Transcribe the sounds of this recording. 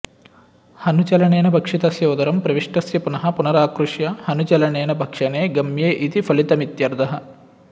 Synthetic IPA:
hɐnut͡ʃɐlɐɳeːnɐbʱɐkʂit̪ɐsjoːd̪ɐɾɐmpɾɐʋiʂʈɐsjɐpunɐɦɐ̆punɐɾaːkɾuʂjɐhɐnut͡ʃɐlɐɳeːnɐbʱɐkʂɐneːɡɐmjeːʔit̪ipʰɐlit̪ɐmit̪jɐɾd̪ʱɐɦɐ̆

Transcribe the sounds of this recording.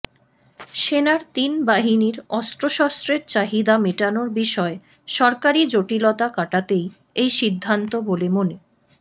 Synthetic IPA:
ʃenaɾt̪inbaɦiniɾɔst̪ɾoʃɔst̪ɾeɾt͡ɕaɦid̪amiʈanoɾbiʃɔe | ʃɔɾkaɾid͡ʑoʈilot̪akaʈat̪ej | ejʃid̪ʱːant̪obolemone

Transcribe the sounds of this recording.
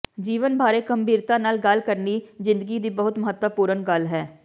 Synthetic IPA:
d͡ʒiːʋənbʱaːɾeːɡəmbiːɾt̪ãːnaːlɡəlkəɾniːzɪ̃nd̪əɡiːd̪iːbəɦʊt̪məɦət̪wəpuːɾənɡəlɦɛː

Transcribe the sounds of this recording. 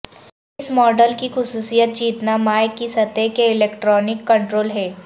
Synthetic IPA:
ɪsmɔːɖəlkixʊsuːsijət̪̚d͡ʒiːt̪namaːjkːisɐt̪ekeɪleːkʈɾɔːnɪkːɐ̃ɳʈɾoːlɦɛː

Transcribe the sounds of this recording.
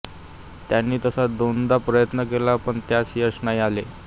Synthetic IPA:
t̪janːiːt̪əsad̪ond̪apɾəjət̪nəkelapəɳt̪jaɕiːəsnaiale

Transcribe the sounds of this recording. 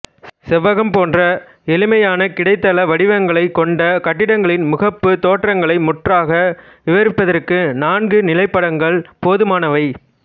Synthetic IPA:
sɛʋːɐɣɐmpoːndrɐ | ɛlɪmɐjaːnɐkɪɽɐɪt̪ːɐlɐʋɐɽɪʋɐŋɡɐɭɐɪkːɔɳɖɐkɐʈːɪɽɐŋɡɐɭɪnmʊɣɐpːɯt̪oːʈrɐŋɡɐɭɐɪmʊʈraːɣɐ | ʋɪʋɐɾɪpːɐðɐrkɯnaːnɡɯnɪlɐɪpːɐɽɐŋɡɐɭpoːðɯmaːnɐʋɐɪ

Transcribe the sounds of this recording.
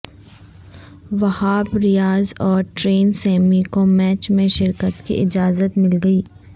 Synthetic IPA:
ʋɐhaːbɾɪjaːzɔːɾʈɾeːnsɛːmikomɛːt͡ʃmẽʃɪɾkət̪kḭʔɪd͡ʒaːzət̪mɪlɡɐiː

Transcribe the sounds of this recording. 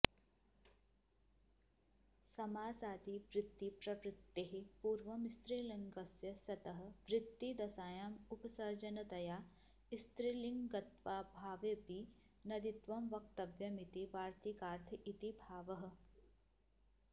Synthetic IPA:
sɐmaːsaːd̪iʋɾɪt̪ːipɾɐʋɾɪt̪ːeɦipuːɾʋɐmist̪ɾiːliŋɡɐsjɐsɐt̪ɐɦɐ̆ʋɾɪt̪ːid̪ɐsaːjaːmupɐsɐɾd͡ʒɐnɐt̪ɐjaː | ist̪ɾiliŋɡɡɐt̪ʋaːbʱaːʋjɐpi | nɐd̪it̪ʋɐmʋɐk̚t̪ɐʋjɐmit̪iʋaːɾt̪ʰikaːɾt̪ʰɐʔit̪ibʱaːʋɐɦɐ̆

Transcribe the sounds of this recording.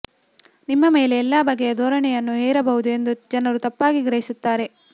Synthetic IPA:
nimːɐme̞ːleːlːaːbɐɡːejɐd̪oːɾɐɳɛjɐnːuɦeːɾɐbɐɦud̪ue̞nd̪ud͡ʒɐnɐɾut̪ɐpːaːɡiɡɾɐɦisut̪ːaːɾe̞

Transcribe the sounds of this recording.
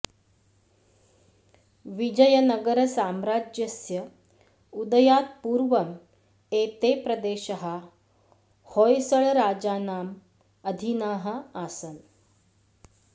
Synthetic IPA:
ʋid͡ʑɐjənɐɡəɾəsaːmɾaːd͡ʒjəsjə | ud̪əjaːt̪̚puːɾʋɐm | eːt̪epɾɐd̪eːʃəɦa | hojsəɭɾaːd͡ʑaːnaːm | ɐd̪ʱinaːɦɐaːsən

